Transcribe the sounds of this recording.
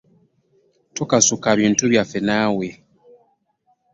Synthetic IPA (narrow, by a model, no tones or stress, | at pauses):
tokasukaβiːntuβjafenaːwe